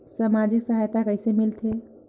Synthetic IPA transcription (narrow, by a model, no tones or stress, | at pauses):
saːmad͡ʒɪksəɦaːjt̪akəɪsemɪlt̪ʰeː